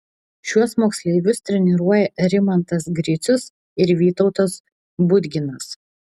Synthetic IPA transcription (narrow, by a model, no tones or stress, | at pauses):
ʃʲuɔsmoːksʲlʲɛɪʋʲʊst̪ʲɾʲɛnʲɪɾuɔjɛɾʲɪmɐnt̪ɐsɡɾʲɪt̪sʲʊs | ɪɾʋʲiːt̪ɔʊt̪os | bʊd̪ʲɡʲɪnɐs